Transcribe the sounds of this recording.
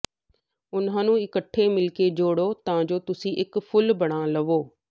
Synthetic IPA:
ʊnɦanũɪkəʈʰːemɪlked͡ʑoːɽot̪ɐʋ̤ãɲd͡ʑoːt̪ʊsĩʔɪkfʊlbɐɽ̃ãlɐʋoː

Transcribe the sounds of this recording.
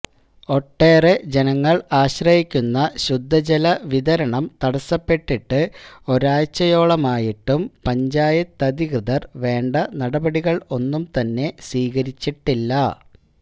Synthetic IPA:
o̞ʈːe̞ːred͡ʑe̞nɐŋːɐɭaːɕrɐjikʲːunːɐɕud̪ʱːɐd͡ʑɐlɐʋiðɐɾɐɳɐmt̪ɐɽɐsɐpːe̞ʈːiʈːɨo̞ɾaːjt͡ɕːɐjo̞ːɭɐmaːjiʈːumpɐɲd͡ʑaːjɐt̪ːɐd̪iɣrɨðɐrʋe̞ːɳɖɐnɐɽɐbɐɽiɣɐɭo̞nːumt̪ɐnːe̞sʋiːɣɐɾit͡ɕːiʈːilːɐ

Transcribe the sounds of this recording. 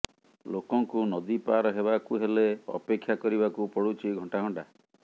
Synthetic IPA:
lokɔŋkunɔd̪ipaɾɔɦebakuɦeleɔ̰pekʰːjakɔɾibakupɔɽut͡ʃiɡʱɔ̃ɳʈaɡɔɳɖa

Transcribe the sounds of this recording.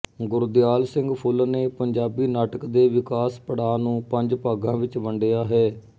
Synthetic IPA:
ɡʊɾd̪ɪjaːlsɪ̃ŋɡpʰʊlneːpəɲd͡ʒaːbiːnaːʈəkd̪eːʋɪkaːspəɽaːnũːpəɲd͡ʒpaːɡãːʋɪt͡ʃʋəɳɖejaːɦɛː

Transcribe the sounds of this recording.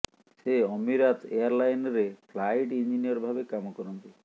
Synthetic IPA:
seɔmiɾat̪eaɾlajnɾepʰlajʈind͡ʒiniɔɾbʱabekamɔkɔɾɔnt̪i

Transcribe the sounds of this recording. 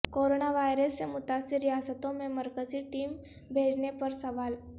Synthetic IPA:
koːɾoːnaʋaːjɾəsːemʊt̪aːsɪɾːijaːsət̪õmẽmɐɾkəziʈiːm | bʱeːd͡ʒnepɐɾsɐʋaːl

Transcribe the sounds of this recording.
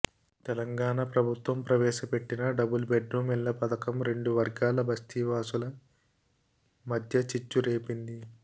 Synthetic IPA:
t̪ɛlɐŋɡaːɳɐpɾɐbʱut̪ʋɐmpɾɐʋɛːʃɐpe̞ʈːinɐɖɐbulbeɖɾuːmilːɐpɐd̪ɐkɐmɾe̞ɳɖuʋɐɾɡaːlɐbʱɐst̪ʰiʋaːsulɐ | mɐd̪ʱjɐt͡ʃit͡ʃːuɾeːpind̪i

